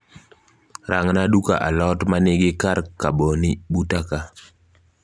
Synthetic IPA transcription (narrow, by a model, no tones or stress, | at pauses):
ɾaŋnaduka̰ʔalɔtmanɪɡɪkarkabonibutaka